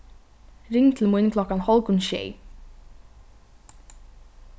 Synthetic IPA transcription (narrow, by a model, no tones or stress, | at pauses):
ɾɪŋt̪ʰɪlmuɪnkʰlɔkanhɔlkʊnʃɛ̰j